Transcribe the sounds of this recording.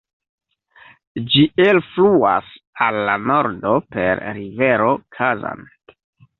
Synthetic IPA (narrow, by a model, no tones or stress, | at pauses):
d͡ʒielflua̰s | alːano̞ɾdo̞pe̞̰ɾɾive̞ɾo̞kʰaza̰n